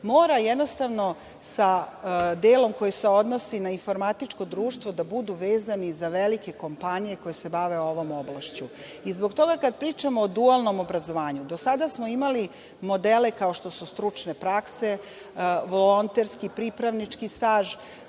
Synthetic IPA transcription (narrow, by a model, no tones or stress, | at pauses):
moːɾajed̪no̞st̪aʋno̞ | sad̪eːlo̞mko̞jise̞o̞d̪no̞sinainfo̞ɾmat̪it͡ʂko̞d̪ɾuːʃt̪ʋo̞d̪abud̪uʋe̞ːzanizaʋelike̞ko̞mpanije̞ko̞jese̞baʋe̞o̞ʋo̞mo̞blˠaʃt͡ɕu | izbo̞ɡt̪o̞ɡakad̪̚pɾiːt͡ʃamoːd̪ualˠno̞mo̞bɾazo̞ʋaːɲud̪o̞sad̪asmo̞imali | mo̞d̪ele̞kao̞ʃt̪o̞sust̪ɾut͡ʂne̞pɾakse̞ | ʋo̞lo̞nt̪eɾskipɾipɾaʋnit͡ʂkist̪aːʒ